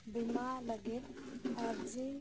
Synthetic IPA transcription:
bimaləɡet̪ɔɾd͡ʒe

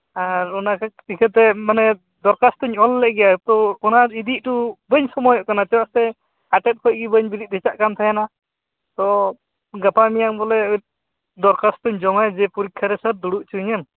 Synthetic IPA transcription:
aɾɔnakaikʰət̪ɛmanɛ | d̪ɔɾkast̪əɲɔlːɛʔ̚ɡɛjat̪ɔɔnaɾid̪iʔ̚ʈubəɲsɔmɔjɔʔkanat͡ʃɛwaʔst̪ɛ | aʈɛt̪̚kʰɔc̚ɡibəɲbiɾit̪̚ˀdʱɛt͡ʃaʔkamt̪ʰajɛna | t̪ɔ | ɡapamijaŋbɔlɛ | d̪ɔɾkast̪ɔɲd͡ʒɔmajd͡ʒɛpuɾikʰːaɾɛsəɾd̪uɽuʔt͡ʃʰuɲam

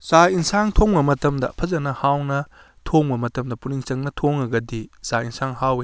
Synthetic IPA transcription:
zainsaŋtʰoŋbɐmɐtɐmdɐ̰pʰɐzɐnɐhawnɐ | tʰoŋbɐmɐtɐmdɐpuniŋt͡ʃɐŋnɐtʰoŋɐɡɐdizainsʰaŋhawe

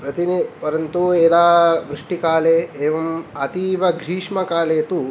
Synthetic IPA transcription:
pɾɐt̪inipɐɾɐnt̪ueːd̪aːʋɾɪʂʈikaːleːeːʋɐmɐt̪iːʋɐd̪ʱɾiːʂmɐkaːleːt̪u

